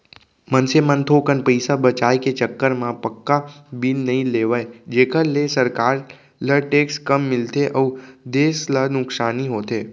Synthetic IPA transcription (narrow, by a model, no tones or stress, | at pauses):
mənsemənt̪ʰokənpəjsabət͡ʃajket͡ʃəkːəɾmãpəkːabilnəɦĩleʋajd͡ʒekəlːesəɾkaɾ | ləɾʈekskəmːɪlt̪ʰeʔəud̪eslənʊksaniɦot̪e